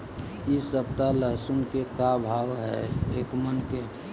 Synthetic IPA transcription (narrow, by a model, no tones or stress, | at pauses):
isəp̚t̪aləɦsunkekabʱaːwɦɛ̰eːkmənke